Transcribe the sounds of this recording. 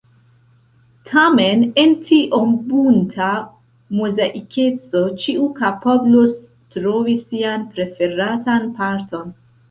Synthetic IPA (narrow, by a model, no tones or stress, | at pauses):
tʰame̞nentʰiʔombuntʰa | mozaʔikʰe̞t͡so̞t͡ʃiʔukapablos | tɾovisianpɾe̞fe̞ɾatanpaɾto̞n